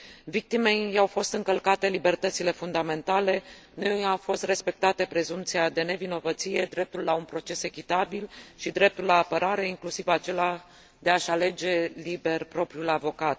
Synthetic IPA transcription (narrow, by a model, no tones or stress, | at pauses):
vik̚t̪ime̞jawfo̞st̪ɨŋkəlkat̪e̞libe̞rt̪ət̪sile̞fund̪ame̞nt̪ale̞nuawfo̞st̪re̞spe̞k̚t̪at̪e̞pɾe̞zumpt̪siad̪e̞ne̞vino̞vət̪sije̞d̪ɾe̞p̚t̪ulːaunpɾo̞t͡ʃe̞se̞kʲit̪abilʃid̪ɾe̞p̚t̪ullaːpəɾaɾe̞iŋklusivat͡ʃe̞la | d̪e̞aʃale̞d͡ʒe̞libe̞rpɾo̞pɾiulavo̞kat̪̚